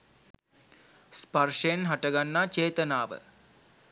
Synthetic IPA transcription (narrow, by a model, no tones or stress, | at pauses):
sparʂəjenɦaʈəɡanːaːt͡ʃeːt̪ənaːʋə̰